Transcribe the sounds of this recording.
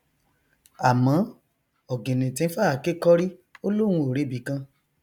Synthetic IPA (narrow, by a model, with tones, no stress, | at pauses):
a˨mã˨˦ | ɔ˨ɡẽ˨nĩ˨tĩ˨˧n̩˦fa˦˨ke˦kɔ˦ɾi˦o˦lo˦w̃ũ˧o˨ɾe˨˦bi˨˦kã˧